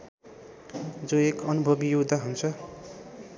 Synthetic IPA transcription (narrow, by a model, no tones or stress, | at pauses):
d͡zoekʌnubʱʌbijod̪ʱaɦunt͡sʰʌ